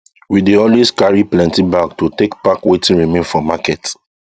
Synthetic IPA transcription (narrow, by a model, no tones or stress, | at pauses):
wideɔlweskaɹiplɛ̃ntibak̚tutekpakwetĩnɹimẽnfɔmakɛt